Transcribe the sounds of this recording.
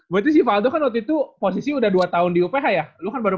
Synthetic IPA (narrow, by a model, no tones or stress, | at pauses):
bt̪us̬ifaːdokanwat̪it̪upos̬isiudahduat̪aʊndiupeɦajalukanbaɾu